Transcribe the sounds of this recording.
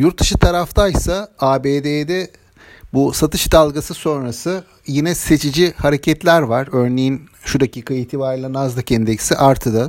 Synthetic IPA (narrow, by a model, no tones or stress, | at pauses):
juɾt̪̚d̪ɯʃɯt̪ʰaɾaft̪ʰajsaaːbeːd̪ed̪ɛ | busat̪ʰɯʃd̪alˠɡasɯso̞nɾasɯ | jinɛse̞t͡ʃʰid͡ʒihaɾe̞cʰɛt̪lʲæɾvaɾø̞ɾne̞jin | ʃud̪aciːkʰaiht̪ʰibaɾilʲˠanazd̪ˠacʰɛnd̪ecʰi̥siʔaɾt̪ʰɯd̪ɯ